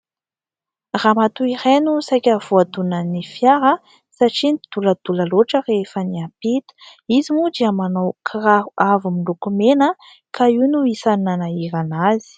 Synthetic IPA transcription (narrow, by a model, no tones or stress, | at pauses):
ramat̪uiɾenusajkʲav̥oad̪unənifjaɾə | saʈ͡ʂinid̪̥uləd̪̥ulaloʈ͡ʂərefəniapit̪u̥izimud͡ʒ̪iamanowkʰraɦuavumilukumenə | kʰaiwnuisaninanaiɾanazi̥